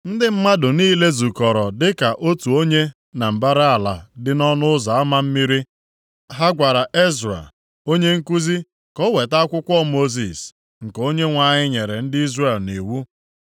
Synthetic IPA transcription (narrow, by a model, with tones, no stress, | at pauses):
n̩˦dɪ˦m̩˦ma˦dʊ˨niː˦le˦zu˨kɔ˨ɾɔ˨dɪ˦ka˨ʔo˦tu˨o˦ɲe˦ | na˨m̩˨ba˦ɾɪ˦a˨la̰˨dɪ˦nɔ˦nʊ˦za˨a˦ma˦m̩˦mi˦ɾi˦ | ɦa˦ɡʷa˨ɾa˨ʔe˦zɾa̰˨ | o˦ɲe˦ŋ̩˦ku˦zi˦ | kɔ˦we˨ta˦kʷʊ˦kʷɔ˦mo˦zi˨s | ŋ̩˨ko˦ɲe˦ŋʷa˨ɲɪ˦ɲe˨ɾe˨n̩˦dɪ˦i˦zɾe˨lni˨wu˦